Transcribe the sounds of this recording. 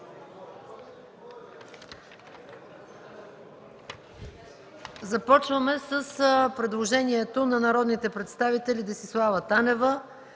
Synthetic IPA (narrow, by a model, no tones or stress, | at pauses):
zɐpɔt͡ʃvəmɛsəspɾɛd̪lˠoʒɛniɛt̪onɐnɐɾɔd̪nit̪ɛpɾɛt̪st̪avit̪ɛlʲid̪ɛsislˠavət̪anɛvə